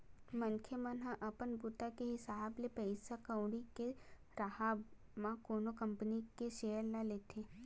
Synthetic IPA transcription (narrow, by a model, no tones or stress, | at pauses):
mɐnkʰemɐ̃nɦãʔɐpənbut̪akeɦɪsaːblepɛɪsakəʊɽike | ɾaɦa | mãkoːnokɐ̃mpənikeʃeːɦəɾlaleːt̪ʰe